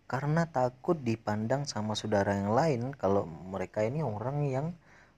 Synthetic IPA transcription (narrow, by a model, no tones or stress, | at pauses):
karənat̪akʊt̪̚dipandaŋsamasodaɾajaŋlaɪnkaloməɾekainioɾaŋjaŋ